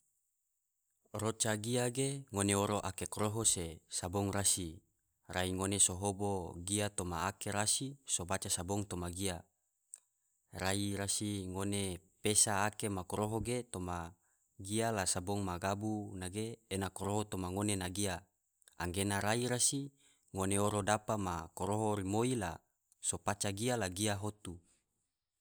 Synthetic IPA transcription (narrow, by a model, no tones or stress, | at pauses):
rot͡ʃaɡiaɡeŋoneoɾoʔakekoɾoɦosesabɔŋrasi | raiŋonesoɦoboɡiat̪omaːkeɾasisobat͡ʃasaboŋt̪omaɡia | ɾaiɾasiŋonepesaːkemakoɾoɦoɡet̪oma | ɡialasabɔŋmaɡabunaɡeːnakoɾoɦot̪omaŋonenaɡia | aŋɡenaɾaiɾasi | ŋoneoɾodapamakoɾoɦoɾimoila̰ | sopat͡ʃaɡialaɡiaɦot̪u